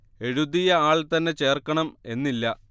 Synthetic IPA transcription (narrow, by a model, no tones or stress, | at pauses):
e̞ɻuðijɐaːɭt̪ɐnːe̞t͡ɕe̞ːrkːɐɳɐme̞nːilːɐ